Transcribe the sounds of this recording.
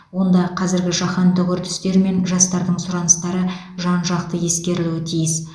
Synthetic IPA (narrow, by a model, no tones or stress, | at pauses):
wo̞nd̪ɑqʰɑzɪɾɡʲɪʒɑχɑnt̪ʊkʲʏɾt̪ɪ̥st̪e̞ɾme̞nʒɑst̪ɑɾd̪əɴsʊɾɑnəst̪ɑɾə | ʒɑnʒɑq̚t̪əje̞skʲe̞ɾɪluɪt̪ʰijɪs